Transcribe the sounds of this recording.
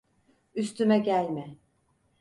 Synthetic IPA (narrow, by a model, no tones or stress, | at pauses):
yst̪ʰymɛɟælʲmɪ